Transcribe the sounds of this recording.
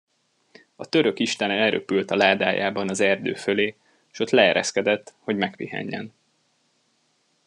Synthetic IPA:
ɒt̪ø̞ɾø̞kiʃt̪ɛnɛɛɾøpylt̪ɒlaːd̪aːja̰ːbɒnɒzɛrd̪øːføleː | ʃo̞t̪lɛɛɾʔɛ̰skɛd̪ɛt̪ːho̞ɟmɛkpihɛ̰ɲːɛ̰n

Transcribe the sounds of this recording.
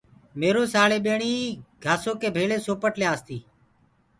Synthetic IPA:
meːɾoːsaːɭeːɓeːɳiːɡʱaːsoːkeːbʱeːɭeːsoːpəʈlejaːst̪iː

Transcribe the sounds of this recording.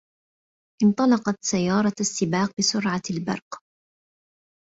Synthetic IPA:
ʔɪnt̪ˤɑlɑqɑt̪sajːɑːɾˤɑasːɪbaːq̚bɪsʊɾʕalbɑ̰ɾˤq

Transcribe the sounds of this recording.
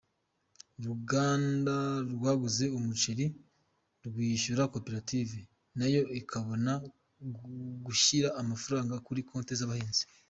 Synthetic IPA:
ɾuɡaːndaɾɡwaːɡuze̞umut͡ʃiɾi | ɾɡwiːʃuɾakopeɾative | najo̞ʔikʰaβo̞na | ɡuʃiɾaʔːmafuɾaːŋɡakuɾiko̞ːntezaβaheːnzi̥

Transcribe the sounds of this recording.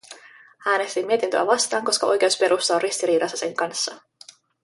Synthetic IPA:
æːne̞st̪imːie̞t̪int̪ø̰æ̰ʋɑst̪ɑːŋko̞skɑʔo̞jk̟ewspe̞ɾʔust̪ɑorist̪iɾiːɾɑsːɑse̞ŋkɑnsːɑ

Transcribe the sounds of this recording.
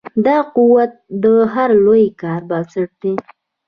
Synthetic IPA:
d̪ɑquwat̪̚d̪əɦaɾlojkɑɾbɑsəʈ̚d̪e

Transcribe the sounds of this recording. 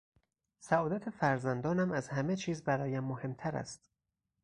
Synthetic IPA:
sæɒːd̪æt̪ʰe̞fæɾzænd̪ɒːnæmæzhæme̞t͡ʃʰiːzbæɾɒːjæmːohe̞mt̪ʰæɾæ̰st̪

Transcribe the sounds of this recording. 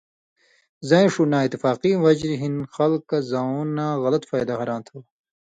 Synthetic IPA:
zɐẽʂunaːit̪ifaːqiwɐd͡ʑɾiɦinxɐlkːazɐuːnaːɣɐlɐt̪faːjd̪aɦɐɾãːnt̪ʰɐw

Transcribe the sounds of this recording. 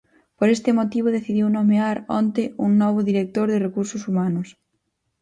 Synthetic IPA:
poɾest̪ɪmot̪iβ̞oðeθiðiwnomeaɾɔ̰nt̪ɪuŋnɔβ̞ʊðiɾek̚t̪oɾðɪrekuɾsʊsumanʊs

